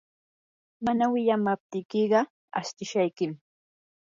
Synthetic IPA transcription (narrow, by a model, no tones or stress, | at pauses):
manawɪʎamap̚t̪ɪkɪɢɑ | a̰ʃt̪ɪʃajkɪm